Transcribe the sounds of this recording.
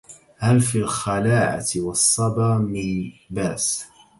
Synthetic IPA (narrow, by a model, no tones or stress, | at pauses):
halfiːlxalaːʕa̰wɑsˤːɑbɑːmibaːs